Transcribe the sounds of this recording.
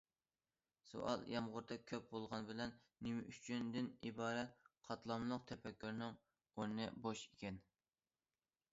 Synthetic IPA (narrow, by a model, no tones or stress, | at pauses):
so̰ʔɑ̰lˠjɑmʁʊɾt̪ʰɑkʲʰøp̚bolˠʁɑnbɪlɛnːimɪʔyt͡ʃʰynd̪ɪnibɑːɾɛt̪̚qʰɑt̪lˠɑmlˠəq̚t̪ʰɛpɛkʲːyɾnɪŋ | oɾnɨboʃikʲɛn